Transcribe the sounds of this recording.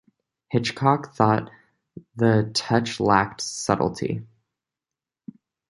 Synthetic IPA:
hɪt͡ʃkʰɑkθɔt̪̚ | ðɨtʰʌt͡ʃlæk̚tsʌ̰ɾl̩ˠtʰḭ

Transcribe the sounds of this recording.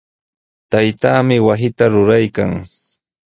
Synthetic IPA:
t̪ajt̪aːmɪwasɪt̪aɾʊɾajka̰ŋ

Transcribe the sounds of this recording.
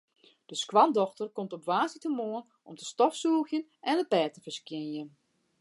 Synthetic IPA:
d̥əskwɑndɔxtərkomtɔpʋaːsitəmoən | ʔɔmtəstɔfsuːxjənɛndəpɛːtəfərskjɪnjən

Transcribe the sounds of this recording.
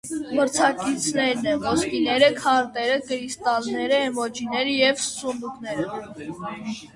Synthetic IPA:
məɾt͡sʰɑkit͡sʰnɛɾnɛnvɔskinɛɾəkʰɑɾt̪ɛɾəkəɾist̪ɑlnɛɾəhɛmɔt͡ʃinɛɾəjɛvsunuknɛɾə

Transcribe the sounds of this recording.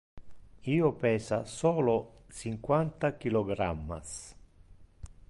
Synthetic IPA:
iːopɛːsasɔːlot͡ʃiŋkwant̪ak̟ilɔɡɾamːa̰s

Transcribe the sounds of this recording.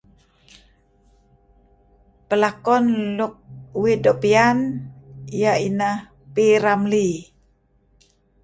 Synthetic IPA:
pəlakɔnluk̚widɔʔpian | ijainah | piɾamli

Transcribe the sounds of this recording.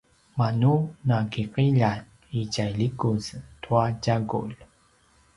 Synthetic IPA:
manunakiqiʎan | iɟajlikuztʰuaɟaɡṵʎ

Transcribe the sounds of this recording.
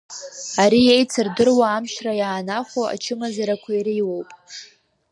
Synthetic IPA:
aɾijejt͡sʰɨrdɨrwaːmʃrajaːnaχʷoa̰t͡ʃʰɨmazaɾakʷʰaiɾiwowpʼ

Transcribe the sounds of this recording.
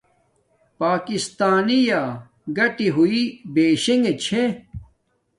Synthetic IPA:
paːkist̪aːnija | ɡɐʈiɦuibeːɕeŋɡet͡ɕʰẽ

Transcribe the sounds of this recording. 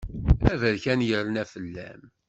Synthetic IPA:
æðəɾçænjəɾlənæfəlːæm

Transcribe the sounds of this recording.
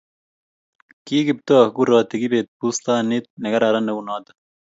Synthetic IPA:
kiːɡib̚t̪oɐhɡuɾɑːt̪iɡibeːt̪̚puːst̪aːnit̪̚nɐɡɐɾɐɾɐnːɐunaːd̪ɐ̥

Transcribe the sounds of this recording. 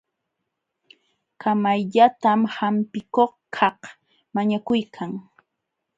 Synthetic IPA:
kamajʎat̪amhampɪkoχkʰɑh | maɲakʊjkʰaŋ

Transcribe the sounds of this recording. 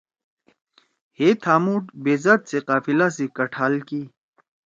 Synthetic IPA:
heːt̪ʰaːmuːʈbeːzat̪seqaːfilas̬ekɐʈʰaːlkiː

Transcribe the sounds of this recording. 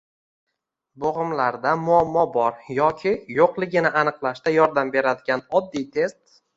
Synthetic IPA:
boʁɨmlaɾd̪amʊamːɒbɒɾjɒkʲʰɪjoqlˠɪɡʲɪnɪʔanɨqlˠaʃt̪ajɒɾd̪ambe̞ɾad̪ɪɡʲanɒd̪ːijt̪ʰe̞st̪

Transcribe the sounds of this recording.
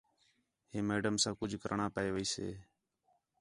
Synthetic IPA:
ɦeːmeːɖəmsãːkʊd͡ʒʱkəɾʔɳãːpəeːʋəiːsḛː

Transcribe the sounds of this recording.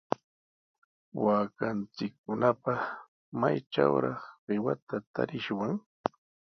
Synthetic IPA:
waːkant͡sɪkːʊnapɑ | majt͡ʃa̰wɾɑχɢɪwa̰t̪at̪a̰ɾɪʃwaŋ

